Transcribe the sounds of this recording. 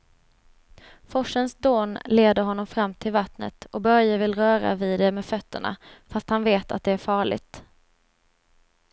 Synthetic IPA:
fɔʂənsd̪oːnleːd̪əɾɦɔnːɔmfɾamːt̪ʰɪlvat̪nə̰t̪ɔbœɾjavɪlɾœːɾa̰viːd̪ɛmɛfœt̪ʰːəɳa̰fast̪hanveːt̪ʰa̰t̪̚d̪ɛæɾfɑːɭɪ̰ɡ̚t̪

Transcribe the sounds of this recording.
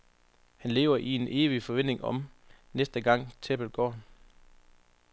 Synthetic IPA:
hænle̝̰ːʊɐʔie̝ne̝ːʋifɒ̽ʋen̰de̝ŋʔɒ̽m | nesd̥əɡ̥ɑ̈ŋ̰t͡sʰeb̥əlɡ̥ɒ̰ː

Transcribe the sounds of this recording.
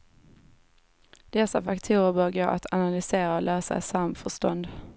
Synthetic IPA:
d̪̥ɛsːafakt̪ʰuːɾəɾbœːɾɡo̰ːʔa̰t̪ʰanalʏseːɾaɔlʔœːsa̰samfœʂʈɔnd̪

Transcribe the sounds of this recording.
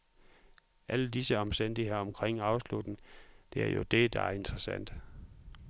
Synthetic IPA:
ʔæləd̥isəɒ̽msd̥en̰d̥ieɒ̽mkʰʁeŋ̰ɑ̈ʊslud̥n̩d̥e̝æɐjo̝d̥e̝d̥ɑ̈æɐe̝nd̥ʁɐsæn̰d̥

